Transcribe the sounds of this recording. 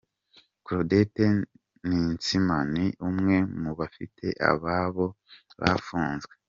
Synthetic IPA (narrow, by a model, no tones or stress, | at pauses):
kuɾodete | nint͡simaniʔumŋe̞muβafḭtʰe̞ʔa̰βaːβo̞ | βa̰fuːnzɡwe